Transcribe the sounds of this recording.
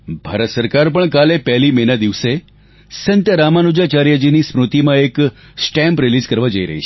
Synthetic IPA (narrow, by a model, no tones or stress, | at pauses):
bʱaɾət̪səɾkaɾpəɳkalepɛɦlimenad̪iʋse | sənt̪jəɾamanud͡ʒat͡ʃaɾjad͡ʒinismɾut̪imãek | sʈɛ̃mpɾɪlizkəɾʋad͡ʒəiɾə̰ɦḭt͡ʃʰ